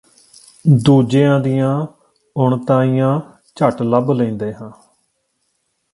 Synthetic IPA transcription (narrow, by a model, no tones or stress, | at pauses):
d̪uːd͡ʒeːãːd̪ɪjãː | ʊɳt̪ãːijãː | t͡ʃəʈləblə̃ĩːnd̪eːɦãː